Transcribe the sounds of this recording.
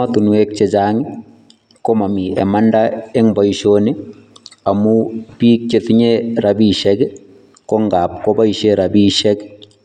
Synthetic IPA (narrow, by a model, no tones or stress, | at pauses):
at̪unwek̚t͡ʃed͡ʒaŋi | komamiɛ̰mandaeŋbaiʃoni | amupik̚t͡ʃet̪iɲeɾabiʃɛɡ | kɔŋɡap̚kobaiʃeɾabiʃɛk